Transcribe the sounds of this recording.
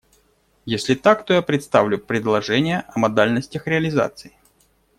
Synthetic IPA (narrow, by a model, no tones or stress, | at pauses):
jesʲlʲɪt̪akt̪ojapɾʲɪt̪st̪avlʲʊpɾʲɪd̪lˠɐʐɛnʲɪjəʔɐmɐd̪alʲnəsʲtʲəxɾʲɪəlʲɪza̰t̪sɨɪ